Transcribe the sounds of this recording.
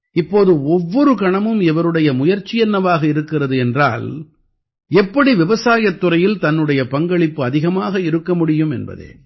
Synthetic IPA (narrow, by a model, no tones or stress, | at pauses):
ɪpːoːðɯɔʋːɔɾɯkɐɳɐmɯmɪʋɐɾɯɽɐjɐmʊjɐɾt͡ʃːɪjɛnːɐʋaːɣɐɪɾɯkːɪrɐðɯɛndra̰ːl | ɛpːɐɽiʋɪʋɐsaːjɐt̪ːɯɾɐjɪlt̪ɐnːɯɽɐjɐpɐŋɡɐɭɪpːɯɐðɪɣɐmaːɣɐɪɾɯkːɐmʊɽɪjɯmɛnbɐ̰ðḛː